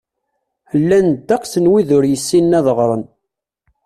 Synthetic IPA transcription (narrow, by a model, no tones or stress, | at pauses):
lːænd̪ɑqsənwiðʊɾjəsːinːæðəʁɾˤən